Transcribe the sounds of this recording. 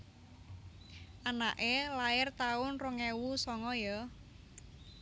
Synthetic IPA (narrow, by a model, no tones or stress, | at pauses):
ʔana̰ʔelaɪrt̪aʊnrɔŋewusɔŋɔjɔ